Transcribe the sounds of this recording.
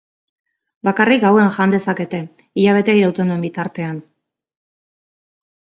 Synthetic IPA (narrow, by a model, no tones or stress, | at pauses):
bakarik̚ɡawe̞nŋʝand̪e̞sake̞t̪e̞ | iʎaβ̞e̞t̪eaijɾawt̪end̪ue̞mbit̪aɾt̪e̞an